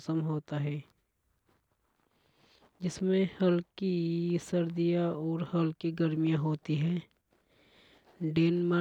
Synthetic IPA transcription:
səmɦoːt̪aɦɛː | d͡ʒɪsmẽhəlkisəɾd̪ijaɔːɾhəlkiɡəɾmijãɦoːt̪iɦɛ̃ː | ɖeːnma

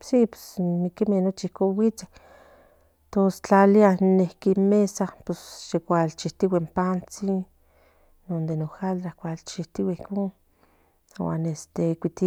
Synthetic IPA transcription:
sipwe̥snikimehnot͡ʃiihkoːnwit͡sḁ | t̪ost͡ɬalianehkinmesaposʃekʷalt͡ʃiht̪iwempant͡si | nond̪enoxald̪ɾahkʷalt͡ʃiht̪iwaihkoːn | wa̰ːnest̪ekʷit̪i

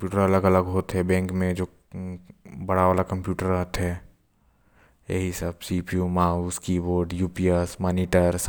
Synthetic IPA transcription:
pjuːʈəɾɐləɡɐləɡɦoːt̪ɦɛbɛ̃ːŋkmẽd͡ʒoː | bɐɽaʋaːlakɐ̃mpjuːʈəɾət̪ɦɛ | jḛɦisəbsipijumauskiboːɾɖjuːpiːesmɔːniːʈəɾs

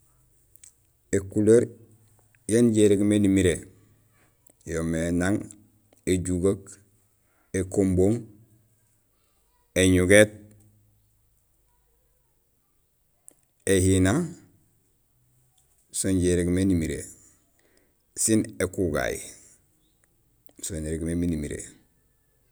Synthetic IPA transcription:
ekuleɾ | jenɟeɾeɡmenimiɾe | jomenaŋ | eɟuɡak | ekomboŋ | eɲuɡet̚ | ehina | sonɟeɾeɡmenimiɾḛ | sinekuɡa̰ji | soneɾeɡmeminimiɾḛ

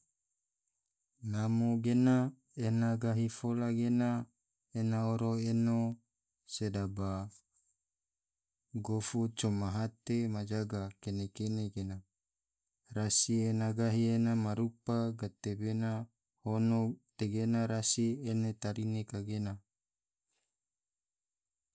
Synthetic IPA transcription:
namoɡena | enaɡaɦifolaɡena | enaoɾoeno | sedaba | ɡofut͡ʃomaɦat̪emad͡ʒaɡakenekeneɡena | rasienaɡaɦienamaɾupaɡat̪ebena | honot̪eɡenaɾasienet̪aɾinekaɡena

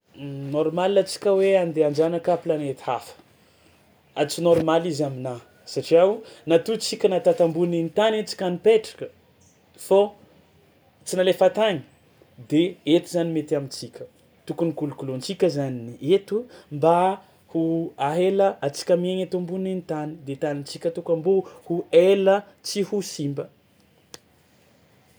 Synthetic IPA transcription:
noɾmalinat͡si̥kʲəweand̪eand͡ʒanakaplanet̪i̥a̰fə̥ | at͡sinɔɾmalizamina | saʈ͡ʂiawnat̪ut͡sikʲənat̪at̪ambuninit̪anat͡si̥kʲanipeʈ͡ʂḁkə | fo | t͡sinalefat̪aɲi̥ | d̪eet̪izanimet̪amit͡sikʲə̥ | t̪ukunikulukulont͡sikʲəzaniiet̪umba | huaɦeləat͡si̥kʲamieŋet̪ambuninit̪anid̪et̪anint͡sikʲət̪ukambohuelə | t͡sihusimbə

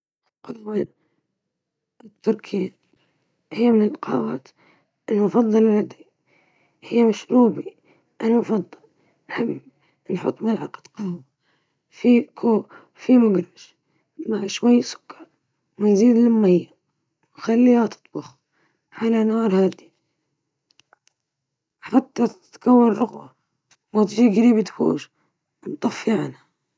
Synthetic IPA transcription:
qʊlwa | ʔɪt̪ːʊɾkʰin | hɪjːmɪnɪlqʰɑːwaːt̪ | ʔɪlmʊfɑd̪ˤːɑllad̪i | hɪjːmaʃɾuːbi | ʔanmʊfɑd̪ˤːɑl | hɪb | nħʊ̰t̪ˤːmalʕɑqd̪̥qɑːwa | fikʰoː | fimʊɡɾˤɑʃ | maʕʃwajːsʊ̥kːɑ̥ɾˤ | manziːd̪lɪmːajːa | wxalːihat̪ɨ̥t̪ˤbɑx | ʕalanɑːɾˤhaːd̪i | ħat̪ːat̪kawːɪnɾʊɣba | mat̪ʒiːɡaɾiːbit̪fṵːʒ | mt̪ˤɑfːiʕanha

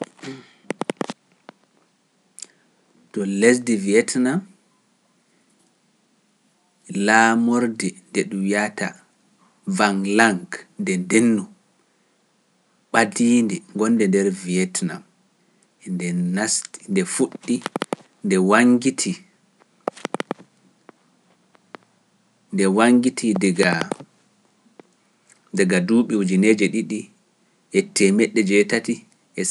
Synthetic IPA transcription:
tɔles̬diviɛtnam | laːmoɾdɛndɛɗumjata | vaŋlaŋɡndɛdenːu | ɓadiːndɛŋɡɔndɛndɛɾviɛtnam | ndɛnastindɛfuɗːi | ndɛwaŋɡitʰi | ndɛwaŋɡitʰidɛɡa | dɛɡaduːɓɛwud͡ʒined͡ʒɛɗiɗi | ʔɛtʰːɛmɛɗːɛd͡ʒɛtati | ɛ

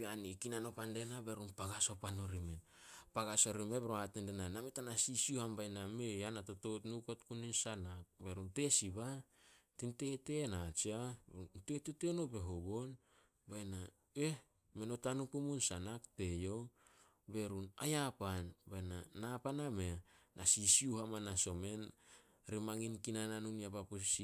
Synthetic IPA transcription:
beanikinano̞pandenabe̞ɾunpaɡaso̞panoɾimen | paɡaso̞ɾimebeɾoatendenanametanasisiohambajnameanatoto̞tnuko̞tkuninsanak̚be̞ɾunte̞sibatinte̞te̞nat͡ʃiabeteteteonobe̞ɦoɡo̞n | bajna | eh | me̞no̞tanupumunsanakte̞jo̞w | be̞ɾunajapanbajnanapanameːasisiuhamanaso̞me̞n | ɾimaŋinkinananuniabapussi

